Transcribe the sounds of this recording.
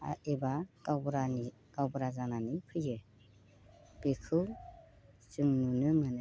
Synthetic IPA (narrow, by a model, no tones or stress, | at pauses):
a̰ʔebaɡawbɾani | kawbɾazananipʰɯjɯ | b̥ekʰɯw | sɯŋnunɯmɯnɯ